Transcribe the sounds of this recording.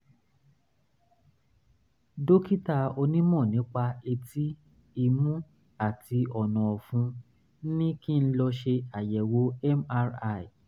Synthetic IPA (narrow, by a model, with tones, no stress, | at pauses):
do˦ki˦ta˧o˧nĩ˦mɔ̃˦˨nĩ˨˦k͡pa˧e˧tʰi˦ | i˧mũ˦ | a˦˨ti˧ɔ˨nɔ̃˨ɔ˨fũ˨˧˦ | nĩ˦ki˦˨n̩˦lɔ˧ʃe˧a˨jɛ˨wo˨˦ɛ˦ma˦˧ɾa˧˨i˨